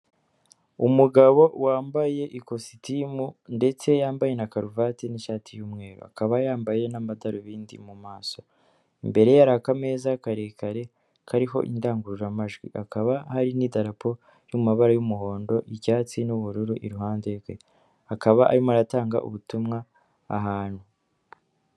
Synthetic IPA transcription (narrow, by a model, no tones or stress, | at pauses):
umuɡaβo̞waːmbaje̞ʔiko̞si̥timunde̞t͡se̞jaːmbaje̞nakaɾuvatiniʃaːtijuːmŋe̞ːɾṵa̰kaβajaːmbaje̞namadaɾoβiːndḭmumaːso̞ | imbe̞ɾe̞jaɾakameːzakaɾekaɾe̞ | kʰaɾiɦo̞̰ʔḭndaːŋɡuɾuʒamaʒɡwḭʔakaβahaɾinidaɾapʰo̞ | jumumaβaɾajumuɦo̞ːndo̞ʔiɟaːt͡sinuβuɾuɾuʔḭɾuɦaːndeɡwe̞ | akaβaʔa̰ɾimoaɾataːŋɡa̰ʔṵβutumŋaː | ɦaːn̥hu